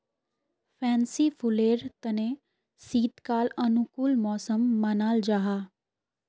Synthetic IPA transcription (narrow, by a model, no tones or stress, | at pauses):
pʰɛ̃ːnsipʰʊleːɾt̪ɐne | siːt̪kaːlɐnukulmɔːsəmːɐnaːld͡ʒaːɦaː